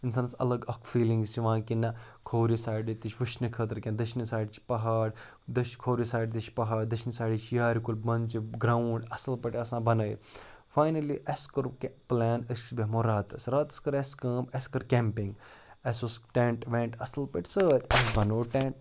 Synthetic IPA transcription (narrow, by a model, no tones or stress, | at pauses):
insaːnsɐ̰lɐɡɐkʰfiːlĩŋɡst͡ʃiʋãːkinɐkʰoːɾisaːjɖit̪it͡ʃʰʲʋɨʃnɨkʰət̪ɾkʲẽnd̪ɐʃnisaːɖt͡ʃʰpɐɦaːɽ | d̪ɐʃkʰoːɾisaːjɖt̪it͡ʃʰpɐɦaːɽd̪ɐʃʰnisaːjɖit͡ʃʰjaːɾikulʲbɐnt͡ʃiɡɾawɳɖɐsɐlpɐʈɐsãːbɐnɐːḭfaːjnɐliʔeskɐɾkplɛːnɐssbeɦmoːɾaːt̪ɐsɾaːt̪ɐ̥skɐɾeskɐːmeskɐɾkʲẽːmpɪ̃ŋɡ | esosʈẽːɳʈʋẽːɳʈɐsɐlpɐʈsəːt̪ʲɐsbɐnoːʈeɳʈ̚